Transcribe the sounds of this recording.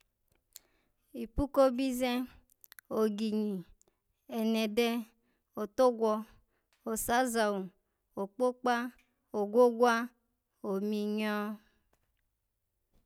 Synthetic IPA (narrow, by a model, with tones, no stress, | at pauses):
i˨pu˦ko˦bi˦zɛ˦ | o˨ɡi˨ɲi˨ | ɛ˨nɛ˨dɛ˦ | o˨to˦ɡʷwɔ˧ | o˨sa˨˦za˨wu˨ | o˨k͡po˦k͡pa˦ | o˨ɡʷo˦ɡʷwa˦ | o˨mi˨ɲɔ˦